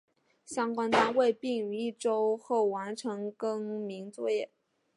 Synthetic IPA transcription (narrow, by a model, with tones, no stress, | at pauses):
ɕjɑ˥ŋkwa˥nt̪a˥we˥˧ɪpi˥˩ŋy˧i˥˩ʈ͡ʂo˥ʊxo˥˩ʊwa˧˥nʈ͡ʂʰɤ˧˥ŋkɤ˥ŋmi˧˥ŋt͡swɔ˥˧jɛ˥˩